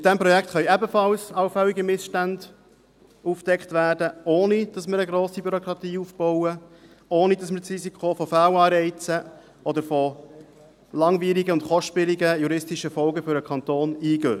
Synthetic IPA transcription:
mɪt̪̚d̥ɛmpɾɔjɛkt̪χœʏɛbəfɑlsɑwfɛliɡəmɪsʃtænd | ufd̥ɛktvæːɾdəoːnid̥ɑsməɾəɡɾoːsibyɾɔkɾɑt̪iːuːfb̥ɔʊə | oːnidɑsməɾsrisikʰofɔfæːwɑːɾɛɪt͡sə | ɔd̪əɾfɔ | lɑŋviːɾiɡəʊntχɔʃtpɪliɡəjuɾɪstiʃəfɔlɡəfʏɾəkʰɑnt̪oːniːɡøː

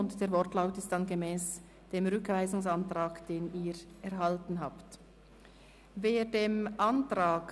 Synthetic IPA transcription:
ʊntd̥eːɐɾvɔʁtlaʊtɪstd̥anɡemɛːs | d̥eːmʁʏkv̥aɪzʊŋsantʁaːkd̥eːniːɾʔɛɾɦaltn̩ɦaːpt | veːdeːmantʁaːk

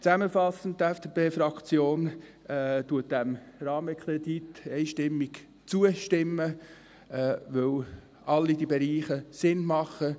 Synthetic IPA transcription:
t͡sæməfɑsən̩t̚tːɛfd̥epeːfɾɑkt͡sjoːn | ɛtuət̚dæmɾɑːməkʰɾed̪it̪ɛɪʃtɪmːik | t͡suəʃtɪmːə | ɛːʋɵw | ɑlːid̥ibɛɾiːχəsɪnmɑχə

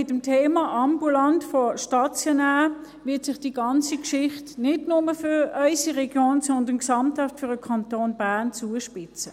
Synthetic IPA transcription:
ɪtəmtʰeːmɑʔɑmbulɑntfɔʃtɑt͡sjɔnæː | ʋɪɐtsɪχd̥iɡ̥ɑnt͡sikʃɪχtnɪdnʊməfʏœʏsiʁɛɡ̥joːnsɔndənksɑmthatfʏʁəkʰɑntoːnb̥æɐnt͡suəʃpɪt͡sə

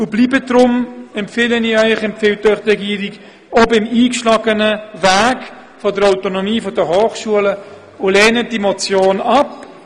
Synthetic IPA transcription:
ʊbliːbədɾʊmɛmpfɪləniœʏχɛmpfɪwtœʏχʁɛɡiːəɾik | ɔbɪmiːkʃlaːɡənəvaːɡ | fɔdəɾaʊtonomiːfɔdəhoːχʃuələ | ʊlɛːnəd̥imɔt͡sjoːnɑp

